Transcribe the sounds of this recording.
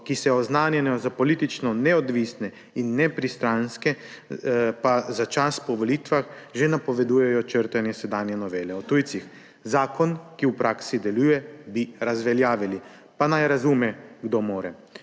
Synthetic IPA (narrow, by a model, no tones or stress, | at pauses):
kisɛɔznaːnjɛnɔzapɔliːt̪it͡ʃnɔnɛɔd̪ʋiːsnɛ | inːɛpɾist̪ɾanskɛ | pazat͡ʃaspɔʋɔliːt̪ʋaxʒenapɔʋɛd̪uːjɛjɔt͡ʃəɾt̪anjɛsɛd̪aːnjɛnɔʋeːlɛɔt̪ujt̪six | zaːkɔnkiupɾʔaːksid̪ɛluːjɛbiɾazʋɛljaːʋili | panajɾazumɛɡd̪omoːɾɛ